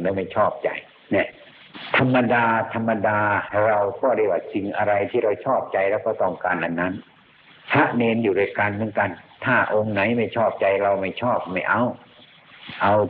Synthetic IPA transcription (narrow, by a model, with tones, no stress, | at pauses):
ŋa˧wma˥˩jt͡ɕʰɔː˥˩p̚t͡ɕa̰˧j | nɛ˧˩ | t̪ʰa˧mːa˧daː˧t̪ʰa˧mːa˧daː˧ɾa˧wkɔː˧˩da˥˩jwaː˧˩si˧ŋʔa˧ɾa˧jt̪ʰiː˥˩ɾa˧wt͡ɕʰɔː˥˩p̚t͡ɕa˧jɾɛː˧˩wkɔː˧˩t̪ɔ˧˩ŋkaː˧nʔa˧nːa˦˥n | pʰa˦˥ʔneː˧njuː˨˩duː˥˩jka˧nmɯ˦˥ə˨nka˧nt̪ʰaː˥˩ʔo˧ŋna˨˩˦jma˥˩jt͡ɕʰɔː˥˩p̚t͡ɕa˧jɾa˧wma˥˩jt͡ɕʰɔː˥˩p̚ma˥˩jʔa˧w | ʔa˧w